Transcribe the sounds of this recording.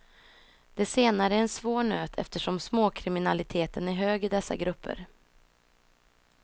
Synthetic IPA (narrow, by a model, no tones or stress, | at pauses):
d̪̥ɛseːnaɾəæɾɛnsvoːɳøːt̪ʰɛ̰ft̪əʂɔmsmoːkʰɾɪmɪnalɪt̪ʰeːt̪ənæɾɦøːɡɪd̪ɛsːa̰ɡɾɵpːə̰ɾ